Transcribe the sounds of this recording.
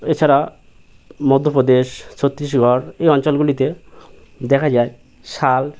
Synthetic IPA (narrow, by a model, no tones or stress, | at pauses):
et͡ɕʰaɾa | mod̪ʱːopɾod̪eʃt͡ɕʰot̪ːɾiʃɡʱɔɾejɔnt͡ɕɔlɡulit̪e | d̪ɛkʰad͡ʑae | ʃal